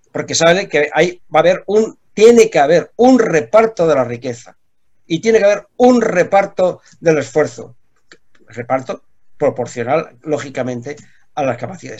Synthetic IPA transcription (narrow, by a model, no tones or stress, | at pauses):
po̞ɾkesaβlekeʔajbaβe̞ɾunt̪je̞nekeaβ̞e̞ɾunre̞paɾt̪oðe̞larike̞θa | it̪je̞nekeaβeɾunre̞paɾt̪o̞ | ðe̞le̞sfwe̞ɾθo̰ | re̞paɾt̪o̞ | pɾo̞po̞ɾθjo̞nalːo̞xikamẽ̞nt̪e̞ | alaskapaθiða̰ðe